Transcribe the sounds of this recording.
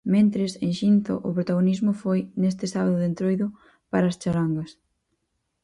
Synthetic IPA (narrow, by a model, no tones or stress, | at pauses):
mẽnt̪ɾɪsẽŋʃinθo̰ʔʊpɾot̪aɣonizmʊfojnes̬t̪ɪsaβaðʊðent̪ɾojðʊ | paɾaːst͡ʃaɾaŋɡɐs